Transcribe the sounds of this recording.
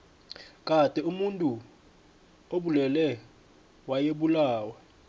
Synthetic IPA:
kʼatʼɛumuntʼu | oɓulɛlɛ | wajeɓulaːwa

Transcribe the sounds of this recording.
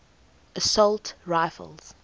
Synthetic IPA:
ʔəsɔltɹaɪfə̰lˠz̥

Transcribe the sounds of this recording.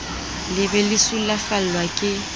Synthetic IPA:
lɪbɛlɪsulafal̩lwakʼɪ

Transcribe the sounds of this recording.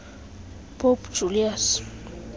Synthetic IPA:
pʰopd͡ʒulias

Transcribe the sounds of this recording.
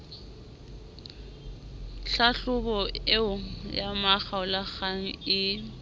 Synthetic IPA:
ɬaɬʊbɔeʊjamaχaʊlaχaŋ̩ɪ

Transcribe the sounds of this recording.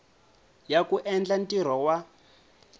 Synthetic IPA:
jakuʔɛnd͡ɮantʼiɾ̤wɔwa

